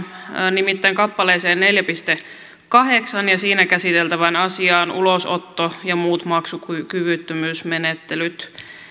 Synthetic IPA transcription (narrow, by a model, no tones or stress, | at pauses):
nimit̪ːæiŋkɑpːɑleːseːnneljæpist̪e | kɑɦeksɑnjɑsiːnækæsit̪elt̪æʋænɑsiɑːnṵlosot̪ːojɑmuːt̪mɑksukykyʋyt̪ːømyːsmenet̪ːelyt̪